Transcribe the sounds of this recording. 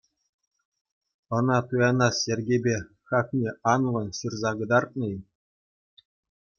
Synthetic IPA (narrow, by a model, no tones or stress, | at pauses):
ɤ̆nɑt̪ujɑnɑsjerʲɡʲebʲe | xɑknʲeʔɑnlɤ̆nɕɯrzɑɡɤ̆d̪ɑrt̪̚nɤ̆j